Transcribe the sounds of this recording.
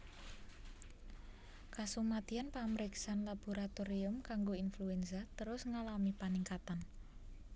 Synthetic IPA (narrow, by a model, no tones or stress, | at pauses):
kasumat̪ianpaməɾeksanlab̥oɾat̪oɾiʊmkaŋɡoinfluɛnsat̪əɾʊsŋalamipaniŋkat̪an